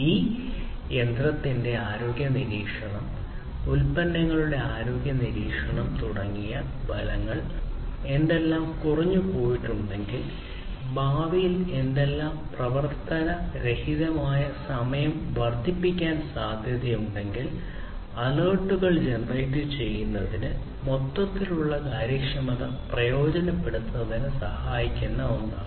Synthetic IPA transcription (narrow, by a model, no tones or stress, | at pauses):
iː | e̞nd̪rɐt̪ːinde̞aːɾo̞ːɡʲjɐniɾiːkʂɐɳɐm | ulpɐnːɐŋːɐɭuɽe̞aːɾo̞ːɡjɐniɾiːkʂɐɳɐmt̪uɽɐŋːijɐ | bʱɐlɐŋːɐɭe̞nd̪e̞lːaːmkurɐɲːupo̞ːjiʈːuɳɖe̞ŋɡil | baːʋijile̞nd̪e̞lːaːmprɐʋɐrt̪ɐnɐɾe̞hiðɐmaːjɐsɐmɐjɐmʋɐrd̪ʱipːikʲːaːnsaːd̪ʱjɐðjɐjuɳɖe̞ŋɡil | ɐloːʈːuɣɐɭd͡ʑenrɐjʈːit͡ɕe̞jːunːɐðinɨ | mo̞t̪ːɐt̪ːiluɭːɐkaːɾjɐkʂɐmɐðɐ | prɐjo̞ːd͡ʑɐnɐpːeɽut̪ːɐðinɨsɐhaːjikʲːunːɐunːa̰ː